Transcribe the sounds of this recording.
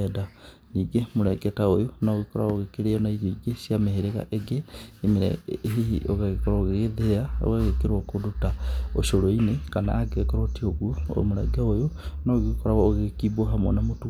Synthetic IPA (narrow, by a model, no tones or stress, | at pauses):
ɛda | niɡemoɾɛɡetaojonaɣikoɾa̰ɣoɣekeɾejɔnaiɡoiɡesiameheɾeɣa̰ʔeɡeːmeɾɛ̰ɦiiʔo̰ɣaɣekoɾaoɣeɣeðeao̰ɣaɣekeɾwakodutao̰ʃoɾoinekana̰ːɡekoɾotioɣuo̰moɾɛɡɛojonaɣikoɾaɣɔoɣekiboɦamo̰namotu